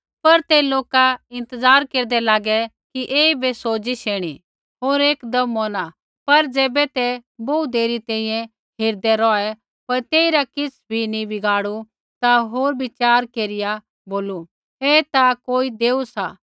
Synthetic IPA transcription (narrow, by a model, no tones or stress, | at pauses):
pɐɾt̪ɛloːkaɪ̃nt̪əzaːɾkeːɾd̪ɛlaːɡɛ | kiʔeːibɛsoːd͡ʒiʃeːɽ̃i | ɦoːɾeːkd̪ɐmːɔːna | pɐɾd͡zɛːbɛt̪ɛboud̪eːɾit̪ɛ̃ːĩjɛ̃ | ɦeːɾd̪ɛɾɔɛ | pɐɾt̪eːiɾakɪt͡sʰbʱinĩbɪɡaːɽu | t̪aɦoːɾbɪt͡ʃaːɾkeːɾɪja | boːlu | eːt̪akoːid̪eːusa